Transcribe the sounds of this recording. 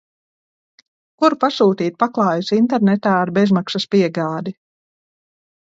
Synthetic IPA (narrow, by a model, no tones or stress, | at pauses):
kuɾpasuːt̪iːt̪̚paklˠɑːjusint̪ɛɾnɛt̪aːaɾbe̞zmaksaspiɛɡaːd̪i